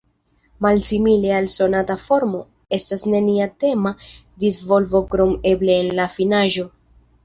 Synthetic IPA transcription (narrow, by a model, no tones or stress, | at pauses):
malsimile̞also̞natafo̞ɾmo̞ | e̞stasne̞niate̞madizvo̞lvo̞kɾo̞me̞ble̞ːnlafinaʒo̞